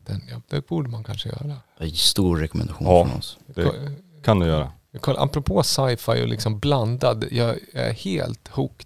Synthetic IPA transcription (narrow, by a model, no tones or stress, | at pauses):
d̪̥ɛnjɑd̪ɛbuːɖəmankʰanʂəjœ̰ːɾaɛst̪uːɾːɛkɔmɛnd̪aɧuːnːɔnɔ̰sd̪ɛɔkʰand̪ɵjœːɾa̰jɑkʰɔʔa̰pɾɔpʰoːsajfajɔ̰lʔɪ̰ksɔmbland̪ad̪jɑːæ̰ɾheːlt̪huːkt̪